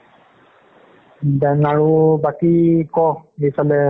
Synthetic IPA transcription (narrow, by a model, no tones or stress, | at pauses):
danaɹubakikɔipʰalɛ